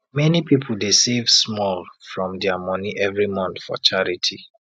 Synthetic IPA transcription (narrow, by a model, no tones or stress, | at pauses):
mɛnipipʰʊl̩desevsmɔlfɹɔ̃mdɛamɔniʔɛvɹimɔ̃nθfɔ̰t͡ʃaɹitʰi